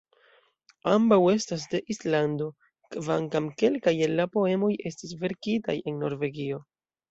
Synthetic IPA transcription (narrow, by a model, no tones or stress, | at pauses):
ambawe̞stas̬de̞ʔislando̞ | kvaŋkamke̞lkajelːapo̞e̞mo̞je̞stis̬ve̞ɾkita̰je̞nno̞ɾve̞ɡio̞